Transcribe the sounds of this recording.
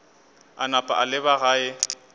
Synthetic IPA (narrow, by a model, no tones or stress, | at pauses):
anapʼa̰ʔalɪbaɣaːɪ